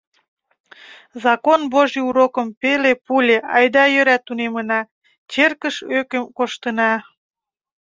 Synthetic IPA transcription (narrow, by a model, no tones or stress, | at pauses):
zɑkonboʒiuɾokəmpelepulʲeʔɑjd̪ɑjøɾæt̪ːunemənɑ | t͡ɕerkəʃøkəmkoʃt̪ənɑ